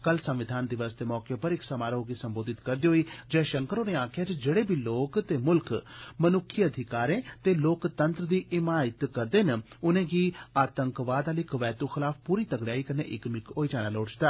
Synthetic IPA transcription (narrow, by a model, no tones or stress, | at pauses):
kəlsəmʋɪd̪ʱaːnd̪ɪʋəsd̪eːmɔːkepəɾɪksəmaːɾoːɡiːsəmboːd̪ɪt̪kəɾd̪iːɦoːiːd͡ʒɛːʃəŋkəɾoːnẽːãːkʰjaːd͡ʒd͡ʒeːɽeːbʱiːloːkt̪eːmʊlkmənʊkʰːiəd̪ʱɪkaːɾẽːt̪eːloːkt̪ənt̪ɾəd̪iːʔɪmaːɪt̪kəɾd̪eːn | ʊnẽːɡiːaːt̪əŋkʋaːd̪aːliːkəʋɛːt̪uːxʰɪlaːppuːɾiːt̪əɡɽjaːiːkəneːʔɪkmɪkɦoːiːd͡ʒaːɽ̃aːloːɽt͡ʃd̪aː